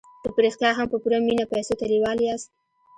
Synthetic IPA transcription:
d̪̥əpɾext̪jɑɦampəpuɾaminapajsot̪aɾiwɑliɑst̪

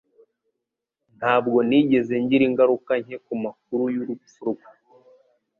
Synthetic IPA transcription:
n̥haːb̚ɡo̞niɟe̞ze̞ɲɟiɾiŋɡaɾukaɲ̥hekumak̚uɾujuɾufuɾuɡa

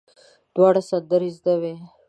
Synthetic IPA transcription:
d̪̥wɑːɽasɐnd̪əɾizd̪awe

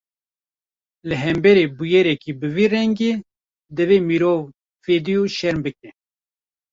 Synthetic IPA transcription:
lɨɦɛmbɛɾeːbujɛɾɛkiːbɨviːrɛŋɡeː | d̪ɨveːmiɾoːv | feːd̪ijuʃɛɾmbɨk̚ɛ

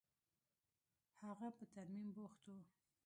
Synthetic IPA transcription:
haɣapət̪aɾmimboxt̪o

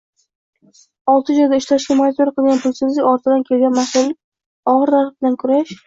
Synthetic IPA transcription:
ɒlˠt̪ʰɪd͡ʒɒjd̪aɪʃlaʃkʲamonit̪oɾaqʰɨlˠɡʲanpʰʊlsʰɪzlɪkʲɒɾt̪ʰɪd̪ankʲʰe̞lɡʲanmahsʊlɪ | ɒʁɨɾd̪aɾ̚blankʰʊɾaʃ

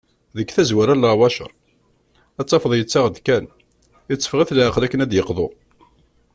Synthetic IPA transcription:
ðəkːθæzwæɾælːɑwɑʃə̰ɾˤ | æt͡sːɑfəðˤjət͡sːaʁd̪kæn | ət͡sːə̥fʁiθlaʕəqlækːənæd̪jəqðˤo

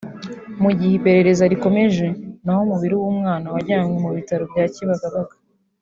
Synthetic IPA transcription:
muɟihipe̞ɾe̞ɾe̞zaɾiko̞me̞ʒe̞naho̞muβiɾiwuːmŋaːnawaɟaːŋomuβitaɾobɟaːciβaɡaβaɡḁ

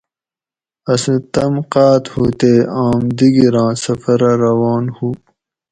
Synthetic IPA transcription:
ɐsĩt̪ɐmqɑːt̪hut̪eːaːmd̪iɡiɾãːsɐfɐɾɐɾɐwɑːnhuː

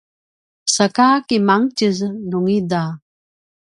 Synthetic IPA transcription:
səkakimaŋcəznuŋida

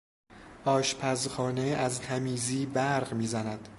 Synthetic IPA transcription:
ʔɒːʃpʰæzxɒːneæzt̪ʰæmiːziːbæɾʁmiːzænæd̪̥

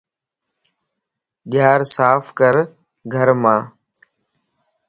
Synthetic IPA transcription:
ɠɪjaːɾsaːfʰkəɾ | ɡʱəɾmãː

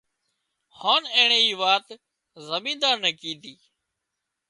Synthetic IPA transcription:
haːnẽːɳẽːiːʋaːt̪ | zəmĩːnd̪aːnəkĩːd̪iː

